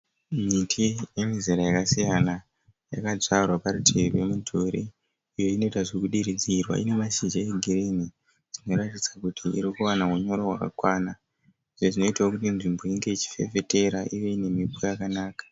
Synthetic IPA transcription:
mitʰijemiziɾajakasijana | jakad͡zarwaparutʰeruwe̞mutʰoɾḭː | jo̞ino̞itaʐikuɗiɾid͡zirwa̰ine̞maʃid͡ʒaeɡʱireni | d͡zino̞ɾatit͡sakutʰiʔḭɾikuwanamuɲo̞ɾowaka̰kwana | iʐo̞ʐino̞itawokutinʐimbo̞iŋɡe̞it͡ʃi̥fe̞ve̞te̞ɾaʔiʋe̞ine̞mipojakanaːkḁ

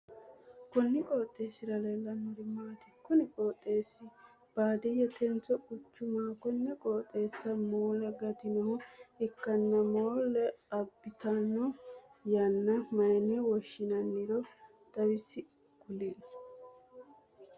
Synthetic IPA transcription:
kɔnːɪkʼoːt̪ʼːe̞ːsɪɾɐleːlːɐnʊɾɪmaːt̪ɪkːʊnɪkʼoːt̪ʼːe̞ːsːɪ | b̥aːd̪ɛjɛt̪ɛnt͡sɔkʼʊt͡ʃːʊmaːkɔnːɛkʼoːt̪ʼːe̞ːsːɐmoːlɛɡɐt̪ɪnɔɦɔɪkːɐnːɐmoːlɛɐbːɪt̪ɐnɔ | jɐnːɐmɐjnɛwɔʃːɪnɐnːɪɾɔ | t̪ɐwɪsːɪ | kʊlinɐ̥

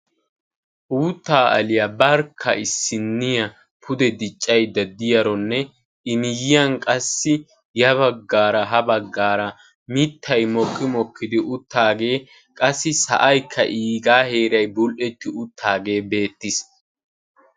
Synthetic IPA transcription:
ʔuːt̪ːaːʔɐ̰lɪjɐbɐɾkʰːɐʔɪsːɪnːɪjɐ | pʰʊd̪ɛd̪ɪt͡ʃʼːɐjd̪ɐd̪ɪjɐɾɔnːɛ | ɪmɪjɪjɐnkʼɐsːɪ | jɐβɐɡːaːɾɐɦɐbɐɡːaːɾɐ | mɪt̪ʰːɐjmɔkːɪmɔkʰːɪd̪ɪʔʊt̪ːaːɡe̞ː | kʼɐsːɪsɐ̰ʔɐjkʰːɐ̰ʔiːɡaːhe̞ːɾɐjbʊlʔɛt̪ːɪʊt̪ːaːɡe̞ːbe̞ːt̪ːɪs

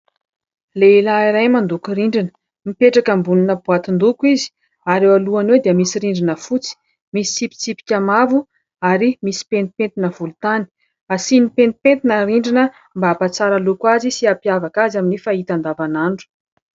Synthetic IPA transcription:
leilaiɾajmand̪ukuɾiɳɖ͡ʐinə̥ | mipeʈ͡ʂakəmbuninəbuat̪ind̪ukuizi̥ | aɾewaluanwewd̪iəmisiɾiɳɖ͡ʐinəfut͡si̥ | misi̥sipi̥t͡sipi̥kʲamavu | aɾimisi̥pent̪ipent̪inəv̥ult̪ani̥ | asinipent̪i̥pent̪inəriɳɖ͡ʐinə | mbapat͡saɾalukwazisiapjavakazaminifaɦit̪and̪avanaɳɖ͡ʐu̥

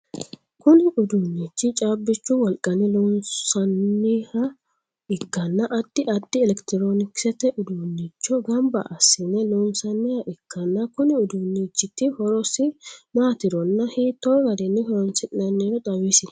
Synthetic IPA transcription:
kʊnɪʔʊd̪unːit͡ʃːɪt͡ʃʼaːbːɪt͡ʃːʊwɔlkʼɐnɪlunɐnːɪhɐ | ɪkːɐnːɐʔɐd̪̥ːɪʔɐd̪̥ːɪɛlɛkt̪ɪɾoːnɪksɛt̪ɛʔʊd̪uːnːit͡ʃːɔɡɐmbɐ̰ʔɐsːɪnɛluːnsɐnːɪhɐʔɪkːɐnːɐkʊnɪʊd̪unːit͡ʃːɪt̪ːɪhɔɾɔsɪmaːt̪ɪɾɔnːɐhit̪ːɔɡɐd̪ɛnːɪhɔɾɔnsɪɪnɐnːeɾɔd̪ʼɐwiːsɪn

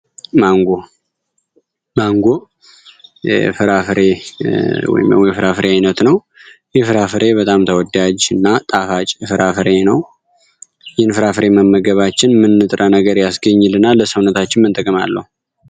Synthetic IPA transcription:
maŋɡo | maŋɡo̞ | jɛfɨɾafɨɾe̞ | wɔ̰jɪ̰mə̰wjɛfɨɾafɨɾeajnət̪nəw | jɛfɨɾafɨɾe̞bət̪ʼamt̪ʰəwɔd̪ad͡ʒɨnːat̪ʼafat͡ʃʼfɨɾafɨɾe̞nəw | jhnfɨɾafɨɾe̞məmːəɡəβat͡ʃːɪnmɨnːɨt̪ʼɾənəɡəɾjasɡəɲːɪlɨnːalːəsəwnət̪ʰat͡ʃːɪnmɨnt̪ʼəkʼɨma̰lːəhu

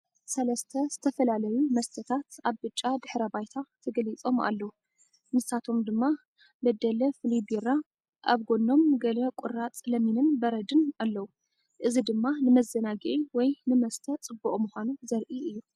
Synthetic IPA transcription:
sɐlɐst̪ʰɐz̥ɨt̪ʰɐfɐlalɐjumɐst̪ʰɐt̪ʰat̪aβbɨt͡ʃʼːad̪ɨħɾɐbajt̪ʰat̪ʰɐɡɐlit͡sʼo̞ma̰lːɐwu | mɨsat̪ʰo̞md̪ɨmːa | bɐd̪ːɐlɐfɨlibiɾa | ʔa̰βɡo̞nːo̞mɡɐlɐkʼʊɾat͡sʼlɐminɨnbɐɾɐd̪ɨnalːɐwu | ʔɨzid̪ɨmːanɨmɐzɐnaɡiʔiwɔjnɨmɐst̪ʰɐt͡sʼɨbːuʔʼmuxʷanuzɐɾʔiʔɨjːu

